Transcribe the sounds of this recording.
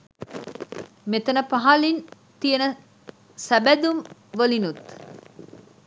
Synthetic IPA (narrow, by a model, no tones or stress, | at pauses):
met̪ənəpaɦalin | t̪ijənə | sæbæd̪umʋəlinut̪